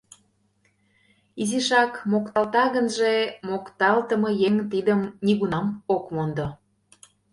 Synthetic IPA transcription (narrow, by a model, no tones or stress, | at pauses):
iziʃɑkmokt̪ɑlt̪ɑɣənʒemokt̪ɑlt̪əmɤjeŋt̪id̪əmniɣunɑmokmond̪o